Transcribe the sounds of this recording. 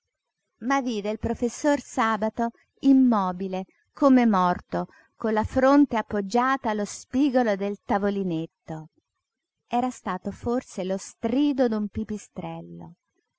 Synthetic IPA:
maviːd̪eilpɾofesːorsaːbat̪o | imːɔːbile | komemɔrt̪o | konlːafɾont̪eapːod͡ʒːaːt̪aːlːospiːɡolod̪elt̪avolinet̪ːo | ɛːɾast̪aːt̪oforselost̪ɾiːd̪od̪umpipist̪ɾɛlːo̰

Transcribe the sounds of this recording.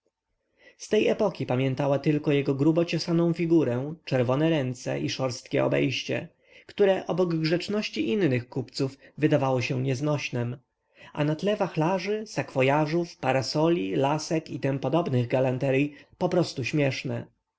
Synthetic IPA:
st̪ɛjɛpɔkʲipamʲjɛnt̪awat̪ɘlkɔjɛɡɔɡɾubɔt͡ɕɔsanɔ̃w̃fʲiɡuɾɛt͡ʂɛɾvɔnɛɾɛnt̪sɛ̰ʔiʂɔɾst̪kʲɛ̰ɔ̰bɛ̰jɕt͡ɕɛ̰ | kt̪uɾɛʔɔbɔɡɡʐɛt͡ʂnɔɕt͡ɕiʔinːɘxkupt̪sufvɘd̪avawɔɕɛ̃ɲɛznɔɕnɛm | ʔa̰nat̪lɛvaxlaʐɘsakfɔjaʐufpaɾasɔlʲilasɛkit̪ɛmpɔd̪ɔbnɘɣɡalant̪ɛɾipɔpɾɔst̪uɕmʲjɛʂnɛ

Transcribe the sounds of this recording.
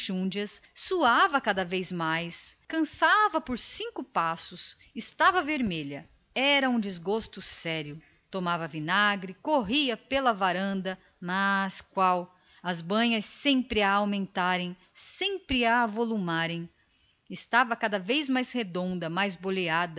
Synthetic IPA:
ʃũd͡ʒɐsːuavɐkad̪ɐvejzmajskɐ̃savɐpoɾsĩkʊpasʊs | ɪst̪avɐveɾmeʎɐ | ɛɾɐũd͡ʒizɡost̪ʊsɛɾjʊ | t̪omavɐvinaɡɾɪkoɦiɐpelɐvaɾɐ̃nd̪ɐ | mɐskwaw | ɐzbɐ̃ɲɐsːẽmpɾɪaawmẽnt̪aɾẽj̃ | sẽmpɾɪavolumaɾẽj̃ | ɪst̪avɐkad̪ɐvejzmajzhed̪õnd̪ɐmajzbolead̪ɐ

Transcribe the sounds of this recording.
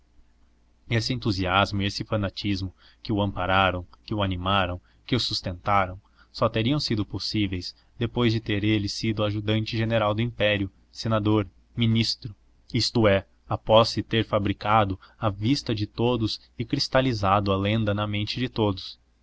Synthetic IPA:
esɪẽnt̪uziazmʊɪesɪfɐnat͡ʃizmʊ | kɪʊɐ̃mpaɾaɾɐ̃w̃kɪʊanimaɾɐ̃w̃ | kɪʊsust̪ẽnt̪aɾɐ̃w̃ | sɔt̪eɾiɐ̃w̃sid̪ʊposivejs | d̪epojzd͡ʒɪt̪eɾelɪsid̪ʊaʒud̪ɐ̃nt͡ʃɪʒeneɾawd̪ʊĩmpɛɾiʊ | senad̪oɾ | minist̪ɾʊ | ist̪ʊɛ | apɔsːɪt̪eɾfabɾikad̪ʊɐvist̪ɐd͡ʒɪt̪od̪ʊs | ɪkɾist̪alizad̪ʊɐlẽnd̪ɐnɐmẽnt͡ʃɪd͡ʒɪt̪od̪ʊs

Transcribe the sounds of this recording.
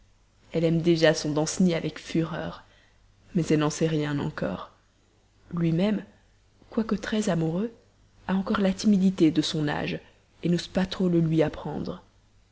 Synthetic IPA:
ɛlɛmd̪eʒasɔ̃d̪ɑ̃sniavɛkfyʁœːʁ | mɛzɛlnɑ̃sɛʁjɛ̃nɑ̰̃kɔ̰ːʁ | lɥimɛm | kwakət̪χɛzamuʁø | aɑ̃kɔʁlat̪imid̪it̪ed̪əsɔ̃na̰ʒ | enospat̪χoləlɥiapχɑ̰̃d̪ʁə

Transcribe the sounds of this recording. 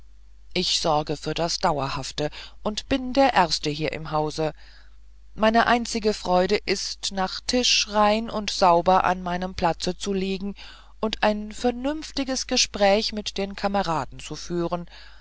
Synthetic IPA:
ʔɪçz̥ɔʁɐɡəfyːɐdasd̥aʊɐhaftəʔʊntb̥ɪndeːɐʔɛɐstəɦiːɐʔɪ̰mɦaʊzə | maɪnəʔaɪnt͡sɪɡəfʁ̥ɔʏɾəʔɪstnaːχtʰɪʃʁaɪnʊntz̥aʊbɐʔa̰nmaɪnəmpʰl̥at͡sət͡suliːɡŋ̩ | ʔʊntʔaɪnfɛɐnʏnftɪɡəsɡ̥əʃpʁ̥ɛːçmɪtd̥eːnkʰaməʁaːdn̩t͡sufyːʁən

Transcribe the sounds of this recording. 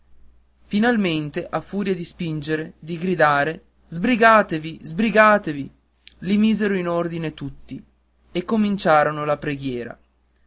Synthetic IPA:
finalment̪eʔafːuːɾjad̪ispind͡ʒeɾed̪iɡɾid̪aːɾe | zbɾiɡaːt̪evizbɾiɡaːt̪evi | limiːzeɾoinord̪inet̪ut̪ːi | ekːomint͡ʃaːɾonolapɾeɡjɛːɾa̰

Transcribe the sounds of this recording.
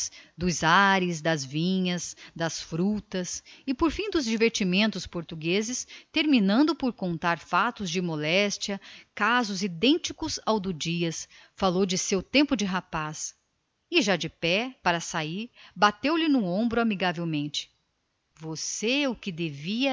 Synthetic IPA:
d̪ʊzaɾɪzd̪ɐzvĩɲɐzd̪ɐsfɾut̪ɐsɪpoɾfĩd̪ʊzd͡ʒiveɾt͡ʃimẽnt̪ʊspoɾt̪uɡezɪst̪eɾminɐ̃nd̪ʊpoɾkõnt̪aɾfat̪ʊzd͡ʒɪmolɛst͡ʃiɐkazʊzid̪ẽnt͡ʃikʊzawd̪ʊd͡ʒiɐs | falowd͡ʒɪsewt̪ẽmpʊd͡ʒɪɦapas | ɪʒad͡ʒɪpɛpaɾɐsaiɾbat̪ewlɪnʊ̃õmbɾʊamiɡavewmẽnt͡ʃɪ̥ | voseʊkɪd̪eviɐ

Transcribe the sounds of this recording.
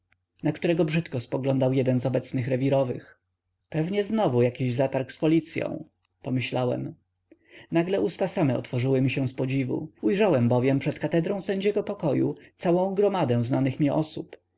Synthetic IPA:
nakt̪uɾɛɡɔbʐɘt̪kɔspɔɡlɔnd̪awjɛd̪ɛnzɔbɛt̪snɘxɾɛvʲiɾɔvɘ̰x | pɛvɲɛznɔvujakʲiʑzat̪aɾkspɔlʲit̪sʲjɔ̰̃w̃ | pɔmɘɕlawɛ̰m | naɡlɛʔust̪asamɛɔ̰t̪fɔʐɘwɘmʲiɕɛ̃spɔd͡ʑivṵujʐawɛmbɔvʲjɛmpʂɛt̪kat̪ɛd̪ɾɔ̃w̃sɛɲd͡ʑɛɡɔpɔkɔjṵt̪sawɔ̃w̃ɡɾɔmad̪ɛ̃w̃znanɘxmʲjɛʔɔsup

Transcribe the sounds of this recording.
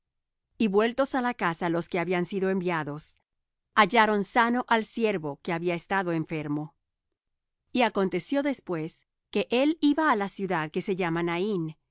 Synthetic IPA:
iβwe̞lt̪o̞salakasalo̞ske̞aβiansiðo̞e̞mbjaðo̞s | aʝaɾo̞nsano̞ʔalsje̞ɾβo̞keaβiaest̪aðo̞eɱfe̞ɾmo̞ | iako̞nt̪e̞sjo̞ðe̞spwe̞s | ke̞ʔe̞liβaːlasjuðaðke̞se̞ʝamanain

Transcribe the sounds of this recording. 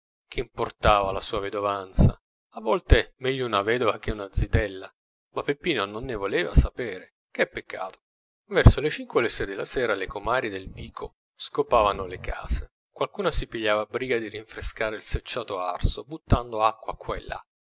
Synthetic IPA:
kʰeimport̪aːvalasuːaved̪ovant̪sa̰ | avːɔlt̪emɛʎːounavɛːd̪ovak̟eunad̪zit̪ɛlːa | mapːepːiːnononːevolɛːva̰sapɛːɾe | k̟ɛpːekːa̰ːt̪o̥ | vɛrsolet͡ʃiŋkwelesɛd̪elːasɛːɾalekomaːɾid̪elviːkʰo | skopaːvanolekʰa̰ːze | kwalkuːnasipiʎːaːvabɾiːɡad̪iriɱfɾeskaːɾeilset͡ʃːaːt̪oaa̰rsobut̪ːand̪oakːwa̰kːwaɛḛlːa̰

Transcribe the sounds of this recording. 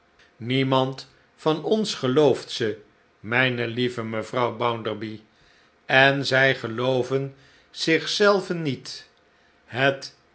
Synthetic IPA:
nimɑnt | fɑnɔnsχəlowftsə | mɛjnəlivəməvrɑwbʌwndəɹbi | ɛnzɛjχəlowvən | z̥ɪχsɛlˠvənːit | ɦət

